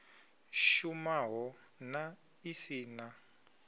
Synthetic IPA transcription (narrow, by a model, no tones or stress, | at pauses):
ʃumaɦɔ | na | isiːna